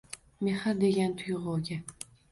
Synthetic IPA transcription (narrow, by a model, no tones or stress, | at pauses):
meχaɾd̪e̞ɡʲant̪ʰʊjʁolɡʲa